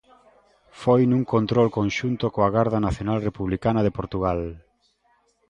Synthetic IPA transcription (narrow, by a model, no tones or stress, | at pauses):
fojnũŋkont̪ɾolkõnʃunt̪okoaɣaɾðɐnaθjonalrepuβlikanɐðɪpoɾt̪uɣ̞al